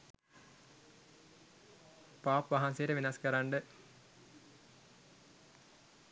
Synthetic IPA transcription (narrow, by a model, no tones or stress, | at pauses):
paːpʋɐɦanseːɾeʋinaskɐɾaɳɖɨ